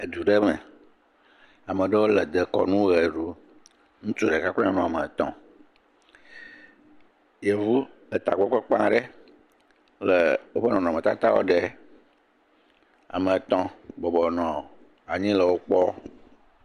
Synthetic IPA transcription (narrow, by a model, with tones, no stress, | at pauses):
e˨d̪u˨ɖɛ˦mɛ̃˨ | a˨mə̃˨ɖə˦wo˦lə˨d̪ə˨kɔ̰˨nũ˦ɣe˨ɖu˦ | ŋũ˦t͡ʃo˦˨ɖɛ˨ka˦klɔ̃˦a˦nũ˨a˨mə̃˨t̪ɔ̰̃˦ | je˨vu˦ | ə˨t̪a̰˨ɡ͡bɔ˦k͡pe˦k͡pã˦ɖə˦ | lə˨wo˦ɸə˦nɔ̃˨nɔ̃˨mɛ̃˨t̪a˦t̪a˦wo̰˦ɖe˨ | a̰˨mə̃˨t̪ɔ̃˦bɔ˨bɔ˨nɔ̃˨ | a˨ɲĩ˦lə˨wo˦k͡pɔ˦